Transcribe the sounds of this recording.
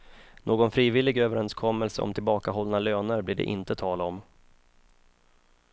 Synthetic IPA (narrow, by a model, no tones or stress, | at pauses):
noːɡɔnfɾiːvɪlːɪɡøːvəɾɛnskʰɔmːəlsəɔ̰mt̪ʰɪlbɑːkaɦɔlːnaløːnəɾblɪɖɛ̰ʔɪ̰nt̪ət̪ʰɑːlɔm